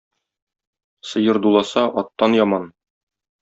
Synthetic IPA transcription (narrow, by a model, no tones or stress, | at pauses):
sɤ̆jɤɾd̪ulˠɑsɑʔɒt̪ːɑnjɒmɑn